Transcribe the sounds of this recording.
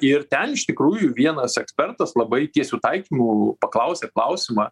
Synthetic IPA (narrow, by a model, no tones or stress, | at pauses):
ɪrt̪ʲɛnɪʃt̪ʲɪkɾuːjʊʋʲiɛnɐsɛksʲpʲɛrt̪ɐslˠɐbɐɪt̪ʲiɛsʲuːt̪ɐɪkʲiːmupɐklˠɐʊsʲeklˠɐʊsʲɪmɑː